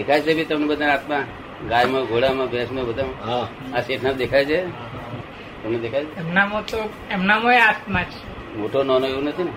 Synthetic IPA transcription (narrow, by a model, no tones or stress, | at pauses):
ekʰajt͡ʃʰebʱit̪əmnebəd̪ʱanat̪mã | ɡajmə̃ɡʱoɽamãbʱɛsmə̃bəd̪ʱam | aseʈʰnapd̪ekʰajt͡ʃʰe | t̪əmned̪ekʰajt͡ʃʰeemnamot̪o | ɛmnamoeast̪mãt͡ʃ | moʈʰonɔnoeʋunət̪ʰine